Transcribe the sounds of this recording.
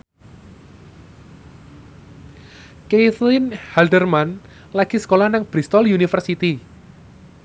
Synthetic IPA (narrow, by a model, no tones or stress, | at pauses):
keθlɪnhaldərman | laɡ̥isə̥kolahnaŋb̥ɾist̪ɔljunifərsit̪i